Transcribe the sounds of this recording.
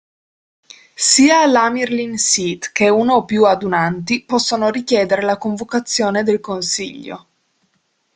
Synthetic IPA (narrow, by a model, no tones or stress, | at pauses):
siːaːlːamirlinsit̪keunoːpːjuad̪unant̪̬ipɔsːonoɾik̟jɛːd̪eɾelakoɱvokat̪sːjoːned̪elkonsḭʎːo̰